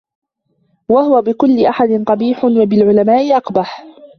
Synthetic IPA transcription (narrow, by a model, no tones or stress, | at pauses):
wahʊwabɪkʊlːɪʔaħad̪ɪnt̪ˤɑbiːħʊnwabɪlʕʊlamaːʔɪʔɑqbaħ